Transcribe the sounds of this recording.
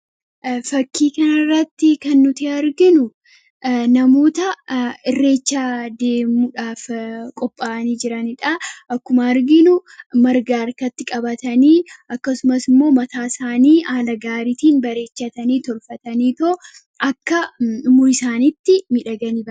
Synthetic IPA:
fɐkːiːkɐnɐrːɐt̪ːɪkɐnːʊt̪ɪɐɾɡɪnʊ | nɐmo̞ːt̪ɐɪrːe̞ːt͡ʃːad̪eːmuᶑaːfkʼɔpʼːaːʔɐniːd͡ʒɪɾɐnɪᶑɐʔɐkːʊmɐːɾɡɪnʊmɐɾɡaːɾkɐt̪ːɪkʼɐbɐt̪ɐniːʔɐkːɐsʊmɐsɪmːo̞ːmɐt̪aːsaːniːʔaːlɐɡaːɾiːt̪iːnbɐɾe̞ːt͡ʃːɐt̪ɐniːt̪ɔlfɐt̪ɐniːt̪o | ʔɐkːɐʊmʊɪsaːnɪt̪ːɪmɪᶑɐɡɐniːbɐ

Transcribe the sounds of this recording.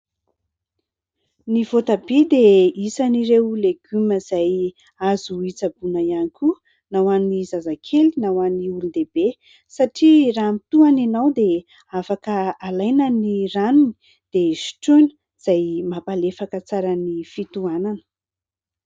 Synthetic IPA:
nivot̪abid̪eisaniɾewleɡyməz̥aj | azuit͡sabunajanikʲu | nawanizazakʰelinawaniulud̪eb̥e | saʈ͡ʂiramit̪uananawd̪e | afakəalajnəniranuni̥ | d̪̥esi̥ʈ͡ʂuni̥ | z̥ajmapalefakət͡saɾənifit̪uananə̥

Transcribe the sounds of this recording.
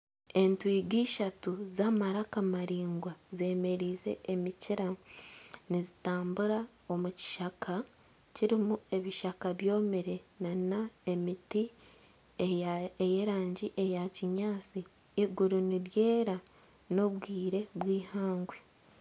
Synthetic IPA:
e̞ntwiːɡiːʃatuzamaɾakamaɾiːŋɡwaze̞ːme̞ɾiːze̞̰ːmiciɾa | nizitaːmbuɾa | o̞muci̥ʃakʰa | ciɾimue̞βiʃakaβjo̞ːmiɾe̞nanae̞miti | eejeɾaːɲɟiʔe̞jaciɲaːt͡siː | ɡuɾuniɾje̞ːɾa | no̞βɡiːɾe̞βwiːhaːŋɡwe

